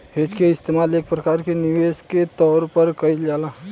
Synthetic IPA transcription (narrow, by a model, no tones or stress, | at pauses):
hed͡ʒkeɪst̪emaleːk̚pɾəkaːɾkeniʋesket̪ɔːɾpəɾkəid͡ʒaːla